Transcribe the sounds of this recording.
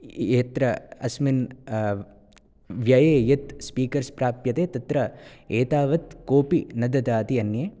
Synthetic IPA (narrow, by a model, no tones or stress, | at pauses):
eːt̪ɾɐɐsmin | ʋjɐjeːjɐt̪spiːkɐɾspɾaːpjɐt̪eːt̪ɐt̪ɾɐeːt̪aːʋɐt̪koːpinɐd̪ɐd̪aːt̪iɐnjeː